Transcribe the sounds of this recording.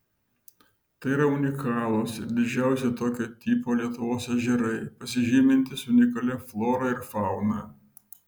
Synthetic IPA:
t̪ɐɪiɾɐʊnʲɪkɑːlˠosɪɾd̪ʲɪd͡ʒʲæˑʊsʲɛɪt̪oːkʲoːt̪ʲiːpoːlʲiɛt̪ʊʋoːsɐʒʲɪɾɐɪpɐsʲɪʒʲiːmʲɪnʲt̪ʲɪsʊnʲɪkɐlʲɛflˠoːɾɐɪɾfɑˑʊnɑː

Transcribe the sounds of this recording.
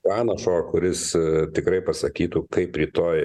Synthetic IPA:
ɑːnɐʃoːkʊɾʲɪst̪ʲɪkɾɐɪpɐsɐkʲiːt̪uːkɐɪpɾʲiːt̪oːj

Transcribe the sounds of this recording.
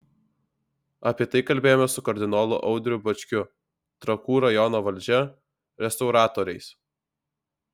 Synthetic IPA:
ɐpʲiɛt̪ɐɪkɐlʲbʲeːjoːmʲɛsʊkɐɾʲd̪ʲɪnoːlˠʊ̰ʔɒʊd̪ʲɾʲʊbɐt͡ʃʲkʲʊ | t̪ɾɐkuːɾɐjɔnoːʋɐlʲd͡ʒʲɛ | ɾʲɛst̪ɒʊɾɑːt̪oːɾʲɛɪs

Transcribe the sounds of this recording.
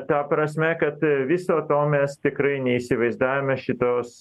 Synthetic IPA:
t̪ɐpɾɐsʲmʲɛkɐt̪ʋʲɪsoːt̪oːmʲɛst̪ʲɪkɾɐɪnʲɛiːsʲɪʋɐɪzd̪ɑːjʲomʲɛʃʲɪt̪oːs

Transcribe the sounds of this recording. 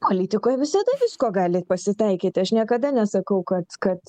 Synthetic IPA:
poːlʲiːt̪ʲɪkoːjʋʲɪsɐd̪ɐʋʲɪskoːɡɑːlʲɪpɐsʲɪt̪ɐɪkʲiːt̪ʲɪɐʃnʲiɛkɐd̪ɐnʲɛsɐkɐʊkɐt̪kɐt̪

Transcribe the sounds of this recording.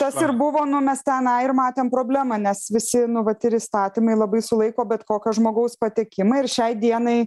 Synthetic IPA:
t̪ɐsɪrbʊʋoːnʊmʲɛst̪ʲɛnɑɪrmɑːt̪ʲeːmpɾoːbʲlʲæmɐnʲɛsʋʲɪsʲɪnʊʋɐt̪ɪɾiːst̪ɑːt̪ʲiːmɐɪlˠɐbɐɪsʊlˠɐɪkoːbʲɛt̪koːkʲɛʒmoːɡɐʊspɐt̪ʲɪkʲɪmɐɪɪrʃʲɛɪd̪ʲiɛnɐɪ

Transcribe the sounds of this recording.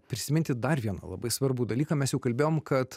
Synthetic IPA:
pʲɾʲɪsʲɪmʲɪnʲt̪ʲɪd̪ɐrʋʲiɛnɐ̰lˠɐ̰bɐɪsʋɐɾbud̪ɐlʲiːkɐmʲɛsjɛʊkɐlʲbʲeːjoːmkɐt̪

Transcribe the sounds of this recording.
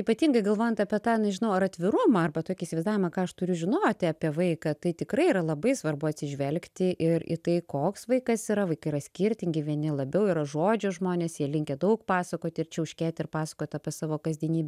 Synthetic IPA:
iːpɐt̪ʲiːŋɡɐɪɡɐlˠʋoːjɛnt̪ɐpʲɛt̪ɑːnʲɛʒʲɪnɐʊɐɾɐt̪ʲʋʲɪɾʊmɐɐrbɐt̪oːkʲiːsʲɪʋɐɪzd̪ɑːʋʲɪmɐkɑːɐʃt̪ʊɾʲʊʒʲɪnoːt̪ʲɑpʲiɛʋɐɪkɐt̪ɐɪt̪ʲɪkɾɐɪiːɾɐlˠɐbɐɪsʋɐrbʊɐt̪ʲsʲɪʒʲʋʲɛlʲkt̪ʲɪʔɪrḭt̪ɐɪkoːksʋɐɪkɐsiɾɐʋɐɪkɐɪɾɐsʲkʲɪɾʲt̪ʲɪŋʲɡʲɪʋʲiɛnʲɪlˠɐbʲɛʊiːɾɐʒoːd͡ʒʲoʒmoːnʲeːsjiɛlʲɪŋʲkʲɛd̪ɐʊkpɑːsɐkoːt̪ʲɪrt͡ʃʲɛʊʃʲkʲæːt̪ʲɪrpɑːsɐkoːt̪ɐpʲɛsɑːʋoːkɐzʲd̪ʲiɛnʲiːbʲɛ

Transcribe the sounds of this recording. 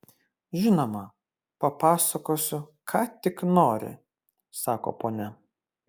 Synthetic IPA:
ʒʲɪnoːmɐ | pɐpɑːsɐkoːsʲʊkʰɑːt̪ʲɪknoːɾʲɪ̰ | sɑːko̰ːpoːnʲɛ

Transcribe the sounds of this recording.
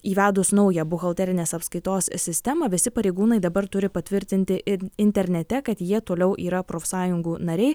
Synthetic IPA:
iːʋʲæːd̪ʊsnɒʊjɛbʊɣɐlˠʲt̪ʲæːɾʲɪnʲeːsɐpskɐɪt̪oːssʲɪsʲt̪ʲæmɐʋʲɪsʲɪpɐɾʲɛɪɡuːnɐɪd̪ɐbɐɾt̪ʊɾʲɪpɐt̪ʲʋʲɪɾʲt̪ʲɪnʲt̪ʲɪɪnʲt̪ʲɛɾʲnʲɛt̪ʲɛkɐt̪jiɛt̪oːlʲɛʊʔiːɾɐpɾoːfsɑːjʊŋɡuːnɐɾʲɛɪ

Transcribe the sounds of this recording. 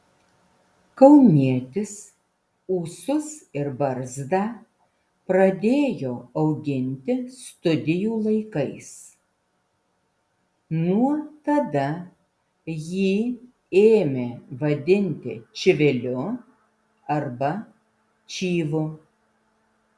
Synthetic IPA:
kɐʊmʲiɛt̪ʲɪs | uːsʊsɪɾbɐɾzd̪ɑː | pɾɐd̪ʲeːjoːɐʊɡʲɪnʲt̪ʲɪst̪ʊd̪ʲɪjuːlˠɐɪkɐɪs | nuɔt̪ɐd̪ɐ | jiː | eːmʲeːʋɐd̪ʲɪnʲt̪ʲɪ̰t͡ʃʲɪʋʲɪlʲʊ | ɐɾbɐ | t͡ʃʲiːʋʊ

